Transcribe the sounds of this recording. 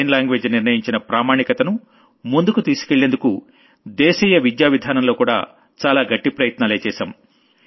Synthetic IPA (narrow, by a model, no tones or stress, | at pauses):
nlaːŋɡʋeːd͡ʒniɾnɐjiɲt͡ʃinɐpɾaːmaːɳikɐt̪ɐnu | mund̪ukut̪iːsi̥keɭːe̞nd̪uku | d̪ɛːʃiːjɐʋid̪jaːʋid̪ʱaːnɐmlo̞ːkuːɽa̰ː | t͡ʃaːlaːɡɐʈːipɾɐjɐt̪naːle̞ːt͡ʃɛːʃɐm